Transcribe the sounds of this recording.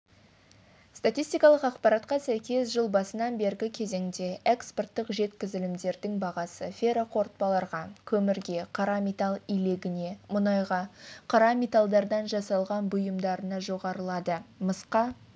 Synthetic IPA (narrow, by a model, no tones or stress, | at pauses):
st̪at̪ijst̪ijkɑlˠəqɑqpɑɾɑt̪qɑsæjkʲe̞sʒəlˠbɑsənɑnbe̞ɾɡʲɪkʲʰe̞ze̞ŋd̪e̞eksport̪ːəqʒe̞t̪kʲɪzɪlɪmd̪e̞ɾd̪ɪŋbɑʁɑsəfʲeɾaqʰo̞ɾt̪̚pɑlˠɑɾʁɑkʲʰɵmɪɾɡʲe̞qʰɑɾɑmʲet̪alˠijle̞ɡʲɪne̞mʊnɑjʁɑqʰɑɾɑmʲet̪alˠd̪ɑɾd̪ɑnʒɑsɑlˠʁɑnbʊjəmd̪ɑɾənɑʒo̞ʁɑɾəlˠɑd̪əməsqɑ